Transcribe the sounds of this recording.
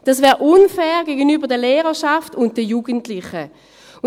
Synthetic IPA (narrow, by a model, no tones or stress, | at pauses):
d̥asvɛːʁʔʊnfɛːʁɡeɡənyːbəɐdɛleːʁəʃaftʊnt̚d̥ɛjuːɡ̥əntlɪχə